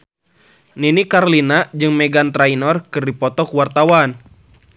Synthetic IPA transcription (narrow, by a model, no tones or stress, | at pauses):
ninikaɾlinad͡ʒɨŋmɛɡant̪ɾainɔrkɨrdipɔt̪ɔkuwart̪awan